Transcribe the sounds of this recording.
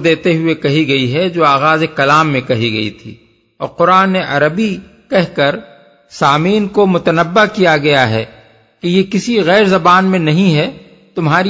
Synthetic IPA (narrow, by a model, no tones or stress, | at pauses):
d̪eːt̪eɦʊekɐɦiɡɐiɦɛd͡ʒoːaːɣaːzekɐlaːmːẽkɐɦiɡɐ̰ḭt̪ʰḭː | ɔ̰ːɾqʊɾaːnːeʔɐɾəbi | kɛɦkɐɾ | saːmiːnkomʊt̪ənəbːakijaɡɐjaɦɛ̰ | kijekɪsiɣɛːɾzɐbaːnmẽnɐɦĩɦɛ | t̪ʊmɦaːɾi